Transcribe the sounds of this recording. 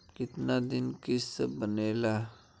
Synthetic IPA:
kɪt̪nad̪ɪnkɪssə̰bəneːla

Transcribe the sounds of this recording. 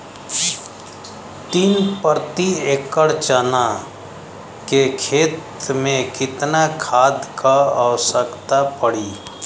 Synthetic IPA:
t̪iːnpəɾt̪ieːkːəɽt͡ʃaːna | kekʰeːt̪mẽkɪt̪nakʰaːd̪kaəwsəkt̪apəɽiː

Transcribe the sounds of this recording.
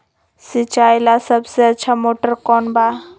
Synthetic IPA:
sɪt͡ʃaːjlasəbseɐtːʃʰamoːʈəɾkɔːnbaː

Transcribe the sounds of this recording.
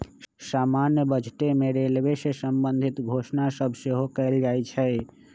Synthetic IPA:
samanjəbəd͡ʒʈ̪emeɾelbesesəmbənd̪ʱit̪ɡʱosnasəbʱseɦokɛɪld͡ʒajt͡ʃʰɛ

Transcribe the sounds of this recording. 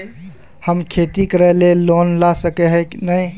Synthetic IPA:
həmkʰet̪ikɾəɦlelonlasəkeɦəknəj

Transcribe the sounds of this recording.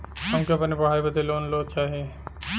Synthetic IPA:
ɦɐmkeɐpnepɐɽ̤aːibɐd̪eloːnlot͡ʃaːɦie

